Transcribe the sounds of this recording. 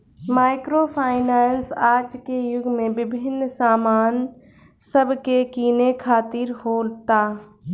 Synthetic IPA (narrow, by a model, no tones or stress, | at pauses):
maːɪkɾoːpʰaːɪnaːnsaːd͡ʒkejʊɡʱmẽbɪbʱɪnːsaːmaːn | sɐbʱkekiːnekʰaːt̪iɾɦoːlt̪aː